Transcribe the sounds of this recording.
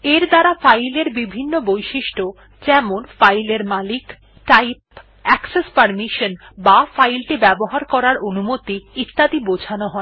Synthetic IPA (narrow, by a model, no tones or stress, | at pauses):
eɾd̪aɾafajleɾbibʱinːobojʃiʃʈo | d͡ʑɛmonfajleɾmalik | ʈajp̚ | ɛksespaɾmiʃonbafajlʈibɛboɦaɾkɔɾaɾonumot̪iit̪ːad̪ibod͡ʑʱanoɦɔe